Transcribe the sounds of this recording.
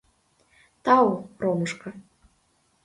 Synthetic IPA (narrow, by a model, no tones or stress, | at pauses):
t̪ɑwproməʃkɤ̆